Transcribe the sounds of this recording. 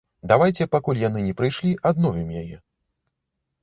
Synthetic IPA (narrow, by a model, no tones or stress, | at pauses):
d̪avajt͡sʲɛpakulʲjanɨnʲɛpɾɨjʂlʲiʔad̪nɔvʲimjajɛ